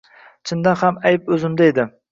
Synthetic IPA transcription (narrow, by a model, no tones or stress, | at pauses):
t͡ʃʰɪnd̪anhamajɪpɵzɪmd̪aed̪ɪ